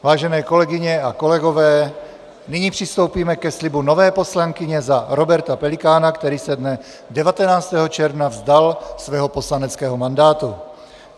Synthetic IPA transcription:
vaːʒɛnɛːkɔlɛɡiɲɛakɔlɛɡɔvɛː | niɲipr̝̥ist̪owpiːmɛkɛslibunɔvɛːpɔslaŋkɪɲɛzaɾɔbɛɾt̪apɛlikaːnakt̪ɛɾiːsɛd̪nɛ | dɛvat̪ɛnaːt͡st̪ɛːɦɔt͡ʃɛɾvnavzd̪alsvɛːɦɔpɔslanɛt͡skɛːɦɔmand̪aːt̪u

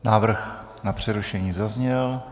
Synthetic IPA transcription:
naːvr̩x | napr̝̥ɛɾuʃɛɲiːzazɲɛl

